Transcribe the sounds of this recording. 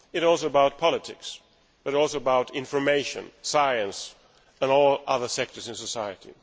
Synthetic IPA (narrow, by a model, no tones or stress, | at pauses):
ɨɾɔlˠsoʊəbaʊt̚pʰɑlˠətʰɪks | b̥ʌɾɔlˠsoʊəbaʊɾɪ̃ɱfə˞meɪʃɨ̰̃nsaɪɨ̃ns | ɨ̃nɔlˠʌðə˞sɛk̚tə˞zɨ̃nsəsaɪɨɾḭ